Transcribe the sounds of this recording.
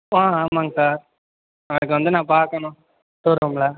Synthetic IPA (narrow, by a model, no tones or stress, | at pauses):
ãːaːmaːŋɐsaːɾ | ɐʋɐnɯkːɯʋɐnd̪ɯnãːpaːɾkɐnʊ̃ | t̪uːɾomlaː